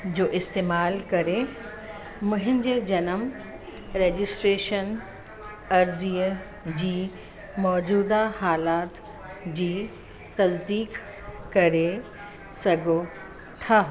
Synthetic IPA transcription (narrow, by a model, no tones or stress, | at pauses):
d͡ʑoːʔɪst̪eːmaːlkɐɾe | mʊ̃ɦɪ̃n̆d͡ʑed͡ʑɐnəm | ɾeːd͡ʑɪsʈɾeːʃən | ɐɾziːə | d͡ʑiː | mɔːd͡ʑuːd̪ahaːlaːt̪ | d͡ʑiː | t̪ɐzd̪iːk | kɐɾe | sɐɡʱo | t̪ʰaɦ